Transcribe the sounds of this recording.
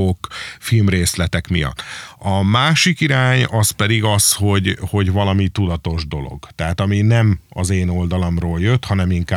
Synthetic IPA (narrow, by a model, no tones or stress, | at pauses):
okfilmreːslɛt̪ɛkmijɒ̰t̪ːɒmaːʃikiɾaːɲɒspɛd̪iɡɒsho̞ɟho̞ɟvɒlɒmit̪ud̪ɒt̪o̞ʒd̪o̞̰lo̞̰ɡt̪ɛɦaːt̪ɒminɛmɒzeːno̞ld̪ɒlɒmroːljøt̪hɒnɛmiŋkaː